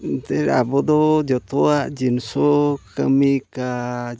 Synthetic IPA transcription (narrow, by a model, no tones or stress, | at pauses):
t̪ɛɾa̰bɔd̪ɔd͡ʒɔt̪ɔaʔd͡ʒinsɔkamika